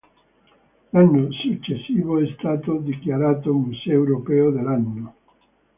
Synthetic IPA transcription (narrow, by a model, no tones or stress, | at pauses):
lanːosut͡ʃesiβoest̪at̪od̪iklaɾat̪omuseewɾopeoðelanːo